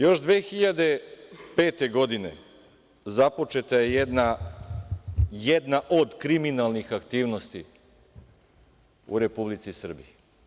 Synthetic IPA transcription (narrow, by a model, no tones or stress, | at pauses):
jo̞ʃd̪ʋeːxiʎad̪e̞pe̞ːt̪e̞ɡo̞d̪ine̞̰ | zapo̞t͡ʃe̞t̪ajejed̪na | jed̪naʔo̞d̪kɾiminalˠnixakt̪iːʋno̞st̪i | ṵɾe̞publit̪sisr̩bḭji